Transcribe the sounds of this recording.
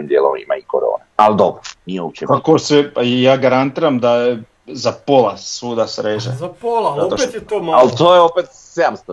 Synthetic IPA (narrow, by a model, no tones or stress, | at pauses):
imd̪ɪɛ̰lɔ̰mḭma̰ikɔ̰ɾɔ̰ːnaalɛd̪ɔbɾniɛut͡ʃɛmpakosɛajaːɡaɾant̪iːɾamd̪ajɛ | zapolasuːd̪asɾeːʒazapolaot̪pt̪jɛt̪omalt̪ojɛɔpɛt̪ | samst̪